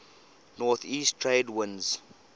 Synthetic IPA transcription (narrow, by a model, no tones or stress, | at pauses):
nɔθiːstʰɹeːdwɪ̃nz̥